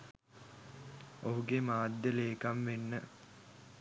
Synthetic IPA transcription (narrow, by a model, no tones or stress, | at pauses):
oɦuɡemaːd̪ːəleːkamʋenːə